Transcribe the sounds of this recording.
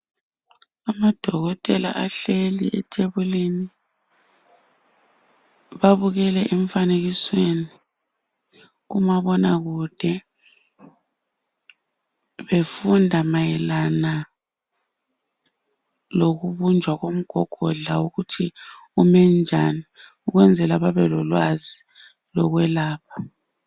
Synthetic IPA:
amad̥ʱɔɣɔtʼɛla̰ʔaɬeliʔɛtʰeβulini | βaβuɣɛlɛʔɛɱfaneɣisweni | ɣumaβɔnaɣud̥ʱɛ | βefundʱamajɛlana | loɣuβund͡ʒʱwaɣom̩ɡ̥ʱɔɡ̥ʱɔɮauɣutʰiumɛnd͡ʒʱani | uɣwɛnd͡zʱɛlaβaβɛlɔlwazi | lɔɣwɛlaːpʰḁ

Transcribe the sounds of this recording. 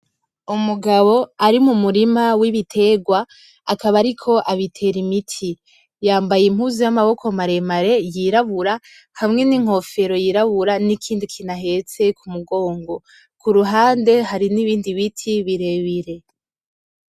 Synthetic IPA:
umuɡaβo̞aɾimumuɾimawiβitʰe̞ɡwaː | kaβaɾikʰo̞ʔaβitʰe̞ɾimitʰi | jaːmbajem̥uzujamaβo̞kʰo̞maɾe̞maɾe̞jiɾaβuɾa | hamŋe̞niŋ̥ho̞fe̞ɾo̞jiɾaβuɾanikʰiːndikʰinaɦe̞t͡se̞kumuɡo̞ːŋɡo̞ | kuɾuɦaːnde̞ɦaɾiniβiːndiβitʰiβiɾe̞βiɾe̞

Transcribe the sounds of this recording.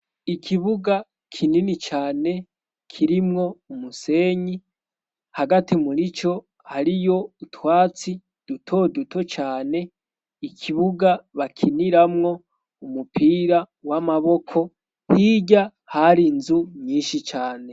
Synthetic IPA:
ikʰiβuɡa | kʰininit͡ʃaːne̞ | kʰiɾimŋo̞umuse̞ːɲi | haɡatimuɾit͡ʃo̞ | haɾijo̞utwaːt͡si | d̥utʰo̞dutʰo̞t͡ʃaːne̞ | ikʰiβuɡaβakʰiniɾamŋo̞ | umupiːɾa | wamaβo̞kʰo̞ | hiɟa | haɾinzuɲiːnʃit͡ʃaːne̞

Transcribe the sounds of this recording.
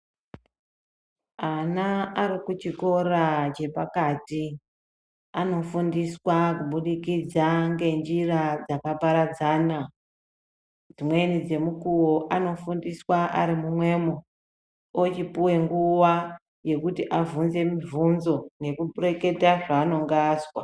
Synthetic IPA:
anaaɾikut͡ʃiko̞ɾat͡ʃe̞pakaːti | ano̞fundiswakuɓuɗikid͡zaŋɡe̞nd͡ʒirad͡zakapaɾad͡zaːna | d͡zimwe̞nid͡ze̞mukuwoʔano̞fundiswaʔa̰ɾimumwe̞mo | ot͡ʃipuwe̞ŋɡuwa | je̞kutiʔavunze̞mivunzo̞ne̞kuɓure̞ke̞taʐaːno̞ŋɡaswa

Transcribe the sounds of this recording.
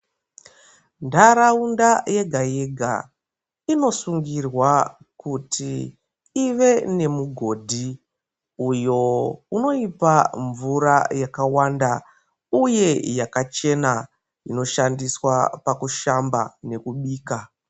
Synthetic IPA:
ndaɾaundaje̞ɡʱaje̞ɡʱa̰ | ino̞suŋɡirwa | kutʰiː | ʋe̞ne̞muɡʱo̞ːdʱi | ujo̞uno̞ipaɱvuɾajakawanda | uje̞jakat͡ʃe̞na | ino̞ʃandiswapakuʃamba̰ne̞kuɓiːka

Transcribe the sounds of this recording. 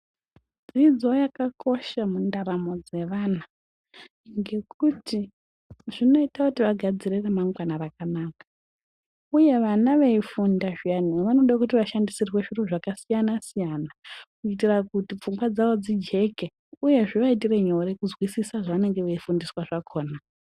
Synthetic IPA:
d͡zid͡zo̞jakako̞ʃamundaɾamo̞d͡ze̞ʋaːna | ŋɡe̞kʰuti | ʐino̞itakutiʋaɡʱad͡zireremaŋɡwanarakanaːkḁ | uje̞ʋanaʋeifundaʐijaniʋano̞ɗak̬ut̬iʋaʃandisirweʃiroʐakasijanasijaːnakut͡ʃit̬irakutip͡fuŋɡwad͡zaʋo̞d͡zid͡ʒe̞ke | uje̞ʐiʋait̬ire̞ɲo̞ɾekuzwisisaʐaʋane̞ŋɡe̞ʋeifundiswaʐakʰo̞ːna

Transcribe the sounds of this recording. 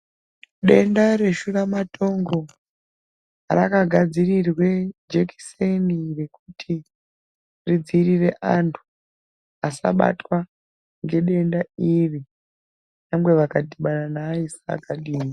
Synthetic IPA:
ɗe̞ndare̞ʃuramatʰo̞ŋɡo̞ | rakaɡʱad͡zirirwe̞d͡ʒeki̥senire̞kutʰi | rid͡zirire̞ʔantʰu̥ | asa̰ɓa̰twa | ŋɡe̞ɗe̞ndairi | namɡwe̞ʋakadiɓananaisa̰kaɗiːmi

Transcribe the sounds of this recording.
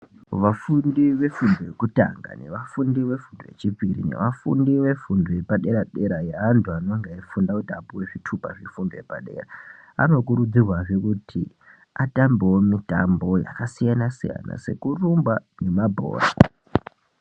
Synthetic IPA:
ʋafundiʋe̞fundojekuta̰ŋɡa̰ne̞ʋafundiʋe̞fundoje̞̰t͡ʃipirḭne̞̰ʋafṵndiʋe̞fundoe̞paɗe̞ɾaɗe̞ɾajeantʰuano̞ŋɡeifundakutapuweʐitʰupaʐefundojepaɗe̞̰ːra | a̰no̞kuɾud͡zirwaʐekutʰi | atambewomitambo̞ja̰kasijanasija̰na̰se̞̰kurumbane̞mabʱo̰ːra̰

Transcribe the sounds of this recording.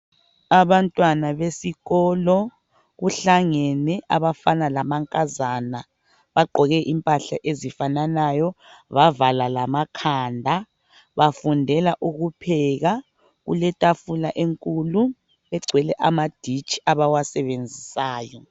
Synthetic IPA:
aβantʼwanaβesiɣɔːlɔ | ɣuɬaŋɛnɛʔaβafanalamaŋkʼazana | βaɡ͡ǃʱɔɣɛʔimpʼaɬaʔezifananajɔβavalalamakʰandʱa | βafundʱɛlaʔuɣupʰɛɣa | ɣṵlɛtʼafulaʔeŋkʼulu | βɛɡ͡ǀʱwɛlɛʔamad̥ʱit͡ʃʼi̥aβawasɛβend͡zʱisaːjɔ

